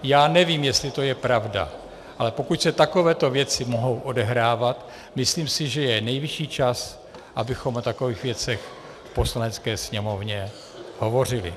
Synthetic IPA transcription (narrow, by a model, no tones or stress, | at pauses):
jaːnɛviːmjɛst̪lɪt̪o̞jɛpɾavda̰ | ʔalɛpo̞kucsɛt̪akovɛːt̪o̞vjɛt͡sɪmo̞ɦo̞wʔo̞dɛɦɾaːvat̪ | mɪsliːmsɪʒɛjɛnɛjvɪʃiːt͡ʃas | ʔabɪxo̞mot̪ako̞viːxvjɛt͡sɛx | fpo̞slanɛt͡skɛːsɲɛmo̞vɲɛ | ho̞vo̞r̝ɪlɪ̰